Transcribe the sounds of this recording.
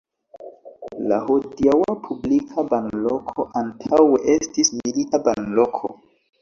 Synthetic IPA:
la̰hodiawapʰublikʰabanlokʰo̞ʔantʰaweʔe̞stismilitabanlo̞kʰo̞̰

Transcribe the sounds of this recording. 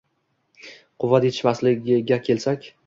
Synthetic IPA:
qʰʊvad̪et̪ʰɪ̥ʃmaslɪɡʲɪɡʲakʲʰe̞lsakʲ

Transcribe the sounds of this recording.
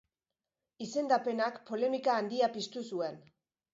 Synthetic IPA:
ise̞nd̪ape̞nakpo̞le̞mikaːnd̪iapist̪usue̞n

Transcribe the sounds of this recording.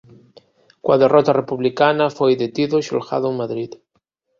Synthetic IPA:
kwaðerɔt̪arepuβlikanafojðet̪iðoʃo̰lxa̰ðoeŋmaðɾið

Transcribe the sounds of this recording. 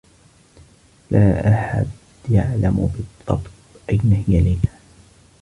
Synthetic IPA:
laːʔaħa̰d̪ | jaʕlamʊbɨd̪ˤːɑ̰bt | ʔajnahjaliːnaː

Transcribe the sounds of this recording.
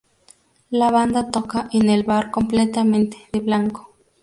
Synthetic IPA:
laβand̪at̪okaʔenelβaɾkomplet̪ament̪e̥ðeβlaŋko̥

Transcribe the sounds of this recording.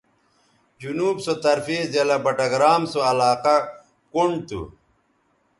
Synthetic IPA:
d͡ʑunuːbsot̪ɐɾfiːzelɐbɐʈɐɡɾaːmsoɐlaːqɐ | kuɳɖt̪ṵ

